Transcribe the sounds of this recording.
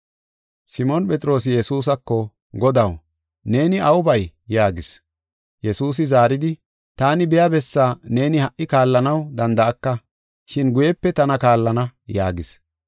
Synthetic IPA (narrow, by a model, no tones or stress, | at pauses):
sɪmɔnpʼɛt̪ʼɪɾo̞ːs̬ɪjɛsuːs̬ɐkːɔ | ɡɔd̪ɐw | ne̞ːnɪɐwʊbɐjjaːɡɪs | jɛsuːs̬ɪzaːɾɪd̪ɪ | t̪aːnɪbɛjabɛsːaːne̞ːnɪhɐʔːɪkaːlːɐnɐwd̪ɐnd̪ɐʔɐkːɐ | ʃɪnɡʊjɛpːɛt̪ɐnɐkaːlːɐnɐjaːɡɪs